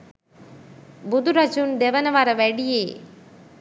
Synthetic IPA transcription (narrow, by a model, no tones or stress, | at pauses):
bud̪uɾɐd͡ʒund̪eʋɐnɐʋaɾɐʋɐɽijeː